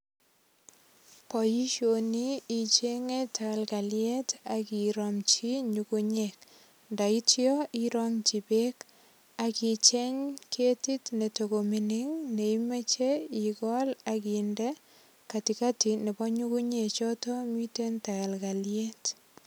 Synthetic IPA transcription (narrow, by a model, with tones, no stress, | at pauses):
pɔ˨ji˦ʃo˨ni˦i˨t͡ʃe˦ŋe˦ta˨ka˨lka˨ljɛ˦ta˨ki˨ɾɔmt͡ʃi˦ɲuku˦ɲek̚ | nda˨i˦tjɔ˦iɾɔŋt͡ʃi˨be˦k | a˨ki˨t͡ʃɛ˦ɲkʰe˦ti˦tne˨toko˨mi˨nɪ˦ŋne˨i˦me˦t͡ʃe˦iɡɔlakindɛ˦ | ka˨tika˦ti˨nɛ˨bɔ˦ɲu˦ku˦ɲe˨t͡ʃɔ˦tɔ˦mi˦te˦nta˨ka˨lkaljɛ˦t